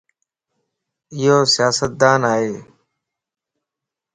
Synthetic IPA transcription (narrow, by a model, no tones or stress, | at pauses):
ɪɦoːsɪjaːsət̪̚d̪aːnaːɦeː